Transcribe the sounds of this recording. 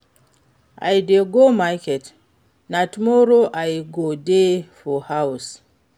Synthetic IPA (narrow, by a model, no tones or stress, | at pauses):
a̰jdeɡomakɛt | natumɔɾoʔajɡodefɔhaws